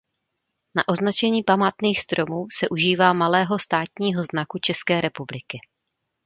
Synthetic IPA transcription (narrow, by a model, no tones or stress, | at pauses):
naʔo̞znat͡ʃɛɲiːpamaːt̪niːxst̪ɾo̞muːsɛʔuʒiːvaːmalɛːɦo̞st̪aːt̪ɲiːɦo̞znakut͡ʃɛskɛːɾɛpublɪkɪ